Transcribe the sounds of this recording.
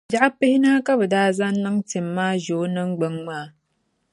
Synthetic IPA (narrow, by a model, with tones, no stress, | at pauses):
d͡ʒa˦a˦pːə˦hi˦na˦ka˦bə˨da˦za˦nːɨ˦ŋti˨mːa˦ʒo˨˦nɨ˦ŋɡ͡bə˨ŋma˦